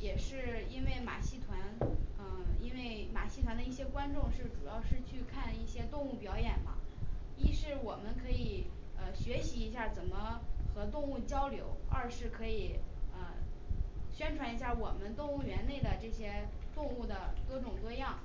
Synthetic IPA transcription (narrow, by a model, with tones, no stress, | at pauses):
jɛ˨˩ʂɻ̩˥˩i˥nwe˥˩ɪma̰˨˩ɕi˥˩t̪ʰwa˧˥nə˧i˥nwe˥˩ɪma˨˩ɕi˥˩t̪ʰwa˧˥nd̪ə˧i˥˩ɕjɛ˥kwa˥nʈ͡ʂʊ˥˧ŋʂɻ̩˥˩ʈ͡ʂu˨˩jɑ˥˧ʊʂɻ̩˥˧t͡ɕʰy˥˧kʰa˥˧ni˥˩ɕjɛ˥t̪ʊ˥˧ŋu˥˩pjɑ˧˥ʊjɛ˨˩nmɐ̰˦ | i˥ʂɻ̩˥˩wɔ˨˩mə˦nkʰɤ˧˥i˨˩ | ə˧ɕɥɛ˧˥ɕi˧˥i˧˥ɕja˥˩t͡sə˨˩nmə˦xɤ˧˥t̪ʊ˥˧ŋu˥˩t͡ɕjɑ˥ʊljo˧˥ʊɐ˞˥˧ʂɻ̩˥˩kʰɤ˧˥i˨˩ə˧ | ɕɥɛ˥nʈ͡ʂʰwa˧˥ni˧˥ɕja˥˩wɔ˨˩mə˦nt̪ʊ˥˧ŋu˥˩ɥɛ˧˥nne˥˩ɪd̪ə˩ʈ͡ʂɤ˥˩ɕjɛ˥t̪ʊ˥˧ŋu˥˩d̪ə˩kɤ˥ʈ͡ʂʊ˨˩ŋkɤ˥˧jɑ˥˩ŋ